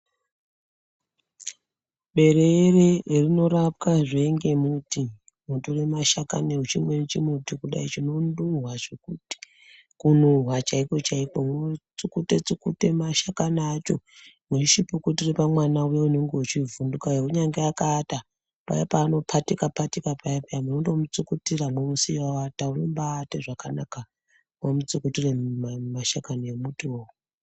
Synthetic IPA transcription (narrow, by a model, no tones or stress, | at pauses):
ɓe̞ɾererino̞ɾap̚kaʐieŋɡe̞muti | muturemaʃakaneut͡ʃimwent͡ʃimutikuɗa̰it͡ʃino̞nduɦwaʐekuːti̥ | kunuɦwat͡ʃaiko̞t͡ʃaiko̞mut͡sukutet͡sikute̞maʃakanaːt͡ʃo̞ | meʃipukutiripamwanaujeuneŋɡeut͡ʃivundukajeuɲaŋɡeakaːta | pa̰japaːno̞pʰatikapatikapajapaamunondo̞mut͡sukutiramwemusiwawataunombaːteʐakanaka | mwomut͡sukutiremaʃakanoemutiowu